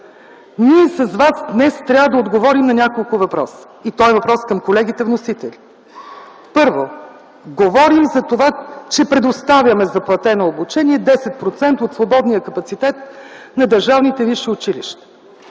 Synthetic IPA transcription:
niɛsɐzvasd̪nɛst̪ɾʲavəd̪ɐod̪ɡovɔɾimnɐnʲakolˠkʊvɐpɾɔsə̥it̪ɔɛvɐpɾɔskɐmkolɛɡ̟it̪ɛvnosit̪ɛli | pɤɾvo | ɡovɔɾimzɐt̪ovat͡ʃɛpɾɛd̪ost̪avʲjɐmɛzɐplˠɐt̪ɛnoobut͡ʃɛniɛd̪ɛsɛt̪̚pɾot̪sɛnt̪əot̪svˠobɔd̪nijəkɐpɐt̪sit̪ɛt̪̚nɐd̪əɾʒavnit̪ɛviʃɛʊt͡ʃiliʃt̪ə̥

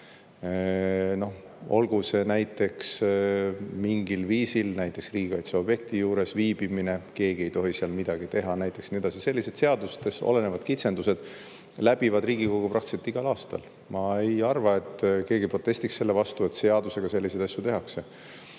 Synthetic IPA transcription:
no̞ | o̞lɡ̥use̞næjt̪ːˑe̞ks | miŋɡilviːsilnæjt̪ˑːe̞ksriːɡiɡɑjt̪sɑo̞b̥je̞k̚t̪ijuːɾe̞sviːb̥imine̞ke̞ːɡ̥ie̞jt̪o̞ɦiseɑlmid̪̥ɑɡ̥it̪e̞ɦɑnæjt̪ːˑe̞ksned̪ɑsise̞lːise̞d̪se̞ɑd̪ust̪̚keso̞̰le̞ne̞vɑd̪̥kit̪se̞nd̪use̞d̪̥ | læb̥ivɑd̪riːɡ̥iko̞ɡ̥uprɑkt̪iset̪ːiɡ̥ɑlɑːst̪ɑ̰l | mɑe̞jɑrvɑe̞t̪ke̞ːɡipro̞t̪ːˑe̞sʲt̪iksːe̞lːe̞vɑst̪ue̞t̪se̞ɑd̪use̞ɡ̥ɑse̞lʲːise̞jd̪ɑsjut̪e̞ɦɑkse̞

